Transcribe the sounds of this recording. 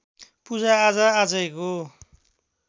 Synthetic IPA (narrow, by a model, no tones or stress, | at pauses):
pud͡zaːd͡zʌad͡zʌjko